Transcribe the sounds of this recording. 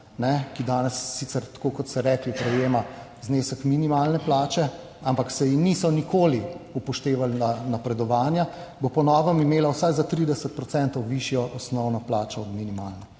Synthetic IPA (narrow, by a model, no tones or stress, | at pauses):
nɛkid̪aːnɛsːiːt̪sɛɾt̪kokɔt̪sɛɾɛklipɾɛjeːmazneːsəkminimalnɛplaːt͡ʃɛ | ampaksɛjinisɔnikoːliupɔʃt̪eːʋalnanapɾɛd̪ɔʋaːnjabopɔnɔːʋəmimeːlawsajzat̪ɾid̪ɛsət̪̚pɾɔt̪sɛnt̪ɔwʋiʃjɔʔɔsnɔwnɔplaːt͡ʃɔɔd̪minimaːlnɔ